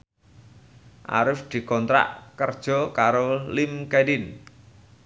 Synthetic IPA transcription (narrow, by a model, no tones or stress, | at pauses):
ʔa̰ɾʊsd̪̥i̤kɔnt̪ɾa̰ʔkərd̥ʒ̥ɔ̤kaɾolɪmkedɪn